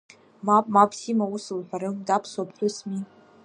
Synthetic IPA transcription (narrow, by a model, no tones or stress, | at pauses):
mapʼmapʰsimausɨlħʷᶣaɾɨmdapʰswapʰħʷᶣʊsmi